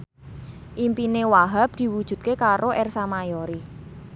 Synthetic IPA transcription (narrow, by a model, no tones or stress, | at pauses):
ʔimpinewaɦap̚d̪̥i̤wud̥ʒ̥ṳt̪̚kekaɾoʔɛrsamajoɾi